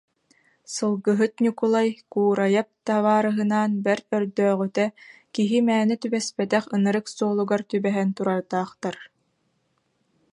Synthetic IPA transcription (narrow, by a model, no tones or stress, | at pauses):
sɯlˠɡɯɦɯt̪nʲukulˠajkuːɾajap̚t̪aβaːɾɯɦɯnaːnbɛɾœɾd̪œːʁyt̪ɛ | kiɦimæːnɛt̪ybɛspɛt̪ɛχɯnɯɾɯksuɔlˠuɡaɾt̪ybɛɦɛnt̪uɾaɾt̪aːχt̪aɾ